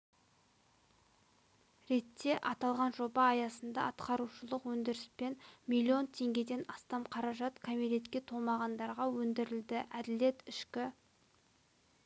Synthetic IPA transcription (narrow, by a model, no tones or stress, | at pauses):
ɾe̞t̪ːe̞ʔɑt̪ɑlˠʁɑnʒo̞bɑːjɑsənd̪ɑ̰ɑt̪qɑɾuʃəlˠəqwɵnd̪ɪɾɪspe̞nmilʲːio̞nt̪ʰe̞ŋɡʲe̞d̪e̞nɑst̪ɑmqʰɑɾɑʒɑt̪kʰamile̞t̪kʲe̞t̪ʰolˠmɑʁɑnd̪ɑɾʁɑwɵnd̪ɪɾɪld̪ɪʔæd̪ɪle̞t̪ɪʃkʲɪ